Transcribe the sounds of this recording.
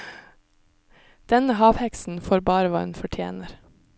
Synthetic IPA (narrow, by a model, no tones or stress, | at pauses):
d̪̥ɛnəhɑːʋhɛksn̩foːɾbɑːɾəʋɑ̰ːɛnfɔʈʰjḛːnəɾ